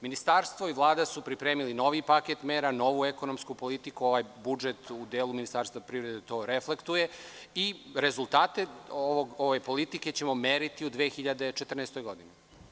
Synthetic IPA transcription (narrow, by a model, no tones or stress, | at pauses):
minist̪aɾst̪ʋoiʋlˠaːd̪asupɾipɾe̞ːmilino̞ʋipaket̪meːɾano̞ʋue̞ko̞no̞mskupo̞lit̪ikuo̞ʋajbud͡ʒe̞t̪ud̪eːluminist̪aːɾst̪vapɾiːʋɾe̞d̪et̪o̞ːɾefle̞kt̪uje̞iɾe̞zulˠt̪aːt̪e̞oʋoɡoʋe̞po̞lit̪ike̞t͡ɕe̞mo̞meːɾit̪iud̪ʋeːxiʎad̪e̞t͡ʃet̪r̩neːst̪o̞jɡo̞d̪ini